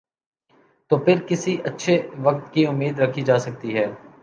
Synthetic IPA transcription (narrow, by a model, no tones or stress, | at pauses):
t̪oːpʰɪɾkɪsiʔɐtːʃʰeʋɐk̚t̪kiʊmːiːd̪ɾɐkʰid͡ʒaːsɐk̚t̪iɦɛː